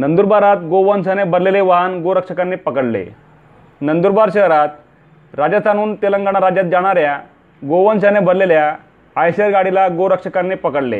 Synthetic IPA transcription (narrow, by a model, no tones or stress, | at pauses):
nənd̪uɾbaɾat̪ɡoʋənsanebʱəɾleleʋaɦanɡoɾəkʂəkanːiːpəkəɽlḛ | nənd̪uɾbaɾɕəɦɾat̪̚ | ɾad͡ʑat̪aɽ̃uːnt̪eləŋɡaɳ̃aɾad͡ʑjat̪̚d͡ʑaɽ̃aɾja | ɡoʋənsanebʱəɾleljaː | jsəɾɡaɽilaɡoɾəkʂəkanːepəkəɽlḛ